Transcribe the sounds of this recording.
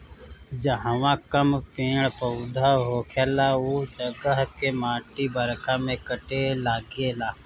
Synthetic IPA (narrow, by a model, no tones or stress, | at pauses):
d͡ʒəɦəʋãkəmpẽːɽpəʊd̪ʱaɦoːkʰeːlauːt͡ʃəɡəɦkemaːʈibəɾkʰamẽkəʈelaːɡelaː